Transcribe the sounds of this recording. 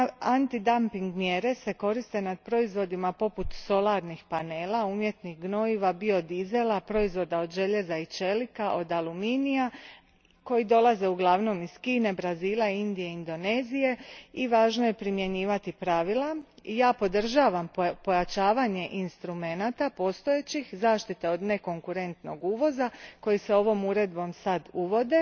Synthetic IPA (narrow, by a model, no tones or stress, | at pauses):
ant̪id̪ampiŋɡmjeɾe̞se̞ko̞ɾist̪e̞nad̪̚pɾo̞izʋo̞d̪imapo̞put̪so̞lˠaɾnixpane̞ːlaumje̞t̪nixɡno̞iʋabio̞d̪ize̞lˠapɾo̞izʋo̞d̪ao̞d̪ʒe̞ʎe̞zait͡ʃe̞likaʔo̞d̪alˠuminija | ko̞jid̪o̞lˠaze̞uɡlˠaʋno̞miz̥kiːne̞bɾaziːlˠaind̪ije̞ind̪o̞ne̞ːzije̞iʋaːʒno̞je̞pɾimje̞ɲiːʋat̪ipɾaʋilˠaijaːpo̞d̪r̩ʒaːʋampo̞jat͡ʃaːʋaɲe̞ʔinst̪ɾume̞nat̪apo̞ːst̪o̞je̞t͡ɕixzaːʃt̪it̪e̞o̞d̪ne̞ko̞ŋkuɾe̞nt̪no̞ɡuːʋo̞zako̞jiseo̞ʋo̞muɾe̞d̪bo̞msad̪uʋo̞d̪e̞